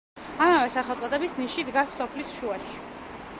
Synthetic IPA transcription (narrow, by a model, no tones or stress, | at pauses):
amavɛsaχɛlˠt̪sʼɔt̪ʼɛbisniʃid̪ɡaɾsːɔpʰlisʃuaʃi̥